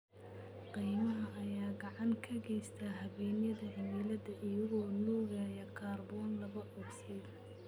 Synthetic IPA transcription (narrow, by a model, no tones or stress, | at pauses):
qijmɐɦɐʔːjaːɡɑʕɑŋkʰɐɡɛjst̪ʰaːɦɐβɛːnjɐðɐɦɪmiːlɐðɐʔɪjɐɣɔːnuːrɣaːjɐkʰaːrbɔːnlɐβɐʔɔɡsɪd̪